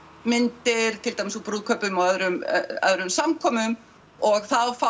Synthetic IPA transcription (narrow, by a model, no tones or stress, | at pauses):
mɪnt̪ɪɾ̥t̪ʰɪlt̪ajmɪsuwpɾuːðkʰœpʏmaaðɾʏm̰a̰ðɾʏmsamkʰɔːmʏm | ɔɣθawfa